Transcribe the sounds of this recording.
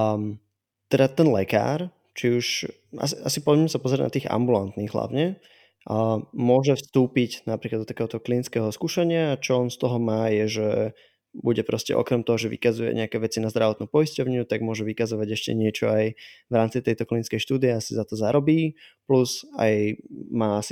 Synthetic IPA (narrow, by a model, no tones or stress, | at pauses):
t̪ɛd̪at̪ɛnlɛka̰ːɾ | t͡ʃiuʃ | a̰sia̰sipɔzɛɛmɛsapɔzɾɛna̰t̪iːɣa̰mbulant̪niːɣɦla̰ʊɲɛ | mʊɔʒɛfst̪uːpiɟnapɾiklad̪ɔt̪akɛːɦɔt̪ɔɦɔklinit͡skɛːɦɔskuːʃaɲɪaːt͡ʃɔɔnst̪ɔɦɔmaːjɛʒɛ | buɟɛpɾɔscɛ̰ʔɔ̰kɾɛmt̪ɔɦɔʒɛʋḭkazujɛ̰ɲɛakɛːʋɛt͡sinazd̪ɾaʋɔt̪nupɔjiscɔʊɲut̪aɡ̚mʊɔʒɛʋikazɔʋaɟɛʃcɛ̰ɲɪɛt͡ʃɔajʋɾaːmt͡sit̪ɛjt̪ɔklinit͡skɛjʃt̪uːd̪iɛasizat̪ɔzaɾɔbiːpluza̰jmaːasi